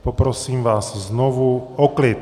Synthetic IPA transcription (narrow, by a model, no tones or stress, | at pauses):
pɔpɾɔsiːmʋaːzznɔʋuɔklɛːt̪